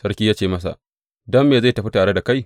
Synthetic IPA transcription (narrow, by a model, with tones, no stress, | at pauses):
sɐ˦ɾkʲiː˦jaː˦t͡ʃeː˦˨mɐ˦s̬a̰˨ʔ | dɐ˦mːeː˨za˦˨jtɐ˨ɸi˦taː˨ɽe˦da˨ka˦j